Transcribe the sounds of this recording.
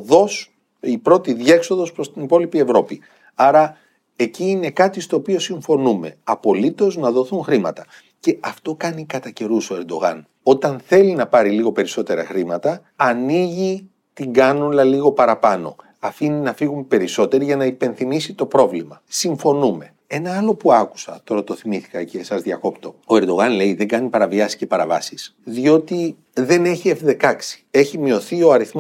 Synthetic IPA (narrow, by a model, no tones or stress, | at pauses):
ðos | ipɾo̞t̪iðʝe̞kso̞ðo̞spɾost̪inipo̞lipie̞vɾo̞pi | ɐɾɐ | e̞ciːne̞kɐt̪ist̪o̞ːpio̞siɱfo̞nume̞̰ɐpo̞lit̪o̞znɐðo̞θunxɾimɐ̰t̪ɐ | ce̞ʔɐft̪o̞kɐnikɐt̪ɐce̞ɾuso̞e̞ɾd̪o̞̰ɣɐ̰n | o̞t̪ɐnθe̞linɐpɐɾiliɣo̞pe̞ɾiso̞t̪e̞ɾɐ̰xɾimɐt̪ɐ | ɐniʝi | t̪iŋɡɐnunlɐliɣo̞pɐɾɐpɐno̞̰ | ɐfininɐfiɣumepe̞ɾiso̞t̪e̞ɾiʝɐnɐipe̞nθimisit̪o̞pɾo̞vlimɐsiɱfo̞nume̞ | e̞nɐɐlo̞puɐku̥sɐ̰t̪o̞ɾɐt̪o̞θimiθi̥kɐcesɐzðiɐko̞pt̪o̞o̞eɾd̪o̞ɣɐnle̞iðe̞ŋɡɐnipɐɾɐviɐsi̥sce̞pɐɾɐvɐ̰sisðio̞t̪i | ðe̞neçie̞fðe̞kɐksi̥e̞çimio̞θio̞ɐɾiθm